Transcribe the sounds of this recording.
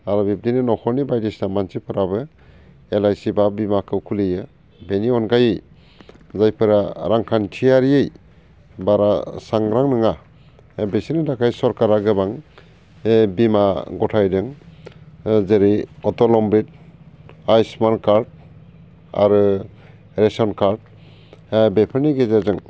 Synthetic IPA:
aɾɔbip̚dinɯnɔkʰɔɾnibajdisnamansipʰɯɾabɯ | elajsibabimakʰɯwkʰulijɯ | beniɔnɡajɯj | zajpʰɯɾaɾaŋkʰantʰijaɾijej | baɾasaŋɾaŋnɯŋa | besinɯdakʰajsɔɾkaɾaɡɯbaŋ | bimaɡɔtʰajdɯŋ | zeɾiɔtɔlɔmbit̚ | ajsmankaɾd̚ | a̰ɾɯ | ɾesɔnkaɾd̚ | bepʰɯɾniɡezazɯŋ

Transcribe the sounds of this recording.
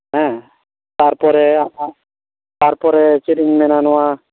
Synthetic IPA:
ɦɛ̃ | t̪aɾpɔɾeaa | t̪aɾpɔɾet͡ʃiʈiŋmɛnanɔwa

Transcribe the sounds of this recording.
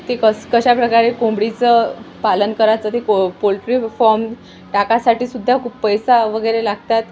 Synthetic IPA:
t̪ekəkəɕapɾəkaɾekombɽit͡səpalənkəɾat͡sət̪ekopolʈɾifɔɾm | ʈakasaʈiːsud̪ʱːakʰuːppːəjsaʋəɡəjɾelaɡʱt̪at̪

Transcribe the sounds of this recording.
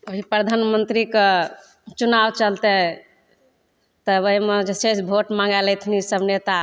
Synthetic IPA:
oɦipɾəd̪ʱanmənt̪ɾike | t͡ʃunabt͡ʃəlt̪ɛ | t̪əbəɦimed͡ʒeset͡ʃbʱoʈmãŋɡalɛjt̪ʰnisəbnet̪a

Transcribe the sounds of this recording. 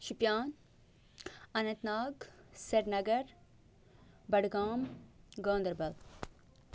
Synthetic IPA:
ʃipjaːn | ɐnɐ̃nt̪naːɡsɐɾnɐɡɐɾ | bɐɽɡaːmɡõːnd̪ɾbɐl

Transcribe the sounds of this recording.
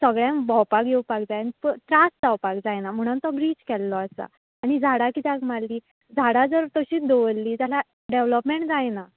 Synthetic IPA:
səɡɭjãmbɔwpakjeupak̚d͡zajnipət̪ɾasd͡zawpakd͡zajnam̤əɽ̃unt̪ɔbɾiːt͡ɕkɛlːɔəsa̰ː | ɽ̃id͡zʱaɽakit̪aɡmalːiː | d͡zʱaɽad͡zəɾt̪əɕiːd̪oʋəlːiːd͡zala | ɖeʋləpmeɳʈd͡zajna

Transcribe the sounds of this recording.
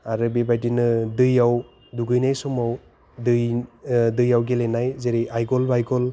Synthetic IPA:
aɾɯbebajdinɯdɯjaw | duɡɯjnajsɔmaw | dɯjdɯjawɡelenajzeɾiʔajɡɔlbajɡɔl

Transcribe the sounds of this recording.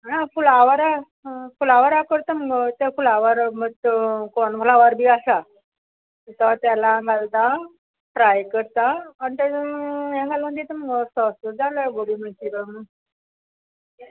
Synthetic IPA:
ãfulaʋaɾa | fulaʋaɾakəɾt̪əməɡt̪afulaʋaɾməɡ̪konfʰulaʋaɾbʱiasa | t̪at̪jalaɡalt̪a | fɾajkəɾt̪aːɳt̪əjãɡalmə̃nd̪et̪əməɡɔsɔsəd͡zaləɡoɽiːməɳt̪iɾəmə

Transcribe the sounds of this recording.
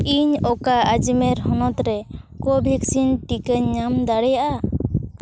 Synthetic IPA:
iɲɔkaad͡ʒimɛɾɦɔnɔt̪ɾɛkɔbʱiksinʈikəɲːamd̪aɽɛjaʔa

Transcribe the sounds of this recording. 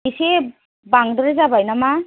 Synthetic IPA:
ise | baŋdɯɾezabajnama

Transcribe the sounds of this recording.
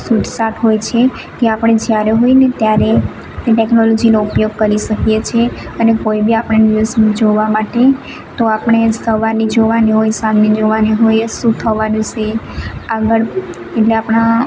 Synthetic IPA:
suʈsaʈɦojt͡ʃʰe | keapɽ̃ed͡ʒjaɾeɦojnet̪jaɾe | ʈeknɔlɔd͡ʒinoupjoɡ̚kəɾiʃəkijet͡ʃʰeənekoibiapɳ̃eniəsmid͡ʒoʋamaʈe | t̪oapɳ̃esəʋaɾnid͡ʒoʋaniɦojsamnid͡ʒoʋaniɦojʃũt̪ʰəʋanũt͡ʃʰeaɡəɭ | eʈleapɽ̃a

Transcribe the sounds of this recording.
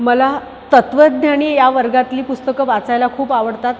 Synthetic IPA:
məla | t̪ət̪ʋəd̪̚naɽ̃ijaʋəɾɡat̪liːpust̪əkəʋat͡sajlakʰuːpaʋəɽt̪at̪

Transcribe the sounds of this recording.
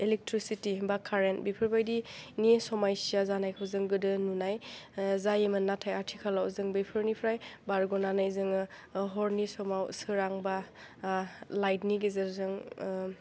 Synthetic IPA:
elek̚tɾisitibakʰaɾentbipʰɯɾbajdinisɔmajsijazanajkʰawzɯŋɡɯdɯnunajzajemɯnːatʰajatʰikʰalawzɯŋbipʰɯɾnipʰɾajbaɾɡɔnanajzɯŋ | ɦɔɾnisɔmawsɯɾaŋba | lajtniɡizazɯŋ

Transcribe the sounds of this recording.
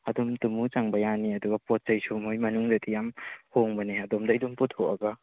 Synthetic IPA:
ɐdɔmtumut͡ʃaŋbɐjaniɐduɡɐpot̚t͡ʃɐjsumojmɐnuŋzatijamhoŋbɐneɐdomdajdumpɔtʰːoʔɐɡa

